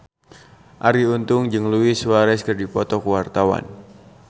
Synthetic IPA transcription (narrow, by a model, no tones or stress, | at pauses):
ʔaɾiunt̪ʊŋd͡ʒɨŋluisuwaɾɛskərdipɔt̪ɔkəwart̪awa̰n